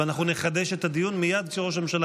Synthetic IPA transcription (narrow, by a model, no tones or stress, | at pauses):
anaχnuneχad̪e̞ʃet̪ad̪ijunmijad̪̚kʃeʁo̞ʃ̬amemʃala